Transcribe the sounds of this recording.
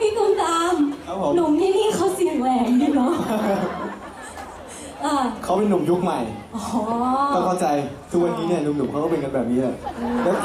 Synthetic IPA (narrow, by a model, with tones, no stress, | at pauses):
miː˥˩nu˨˩˦mt̪aː˧mʰa˦˥o˨˦nu˩˦mniː˧˩niː˥˩kʰa˦˥wsi˨˩n˨˩˦wɛː˨˩˦ŋjuː˧˩nɔ˦˥ | ʔaː˧˩kʰa˦˥wpe˧nːu˨˩˦mju˦˥k̚ma˨˩jʔɔː˨˩˨ɔ˥˩kʰa˥˩t͡ɕa˧jkʰɯː˧wa˧nːiː˦˥ni˥˩ɐnu˨˩˦du˨˩˦pkʰa˦˥kʰa˥˩pe˧nka˧nbɛː˨˩p̚niː˦˥la˨˩ʔɯː˧mlɛː˦˥